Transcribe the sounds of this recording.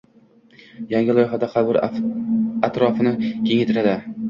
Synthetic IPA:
jaŋʲɪlˠɒjɦad̪aqʰɑlˠbʊɾ | at̪ɾɒfɪnɪkʲʰe̞ŋet̪ʰɪɾad̪ɪ

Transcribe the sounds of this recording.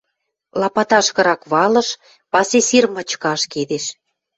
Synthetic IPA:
lɑpɑt̪ɑʃkɤ̆ɾɑkβɑlɤ̆ʃ | pɑsesirmə̆t͡ɕkɑʃked̪eʃ

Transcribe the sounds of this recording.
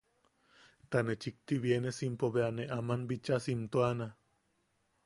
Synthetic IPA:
t̪anet͡ʃik̚t̪iβjenesimpoβeaneʔamanbit͡ʃasimt̪oana

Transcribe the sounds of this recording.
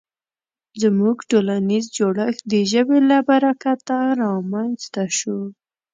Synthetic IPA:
zmuɡʈolanizd͡ʒoɽəxd̪əʒəbelabaɾakat̪ːaɾɑmanzt̪aʃu

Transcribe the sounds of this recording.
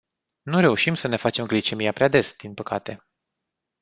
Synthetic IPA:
nuɾe̞uʃimsəne̞fat͡ʃe̞mɡlit͡ʃe̞mijapɾead̪e̞sd̪̥inpəkʰat̪e̞

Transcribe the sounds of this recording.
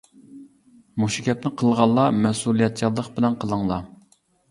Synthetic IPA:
muʃikʲɛp̚nɪqʰəlˠʁɑlˠːɑmɛsulˠijɛt̪̚t͡ʃʰɑlˠːəqbɪlɛnqʰəlˠəŋlˠɑ

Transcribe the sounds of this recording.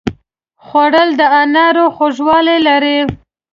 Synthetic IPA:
xwaɽəld̪əanaɾoxoʒwɑlelaɾe

